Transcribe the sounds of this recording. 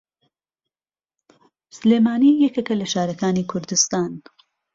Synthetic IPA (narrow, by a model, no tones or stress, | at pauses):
sleːmaːnijekɐkɐlɐʃaːɾɐkaːniːkʰʊɾd̪ɪst̪aːn